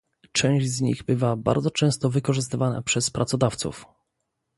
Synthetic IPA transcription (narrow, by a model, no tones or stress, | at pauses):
t͡ʂɛ̃w̃ʑzɲḭɣbɘvaba̰ɾd̪zɔt͡ʂɛ̃st̪ɔvɘkɔʐɘs̬t̪ɘvana̰pʂɛspɾʔat̪sɔd̪aft̪sṵf